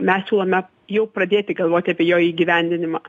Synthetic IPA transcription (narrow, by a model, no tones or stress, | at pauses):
mʲɛssʲuːlˠɐmʲɛ | jɛʊpɾɐd̪ʲeːt̪ʲɪɡɐlˠʋoːt̪ʲɐpʲiɛjoːiːɡʲiʋʲænʲd̪ʲɪnʲɪmɑ